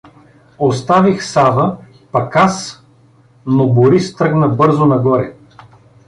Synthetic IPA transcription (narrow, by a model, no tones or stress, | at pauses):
ost̪avixsavə | pɐkas | noboɾist̪ɾɤɡnəbɤɾzonɐɡɔɾɛ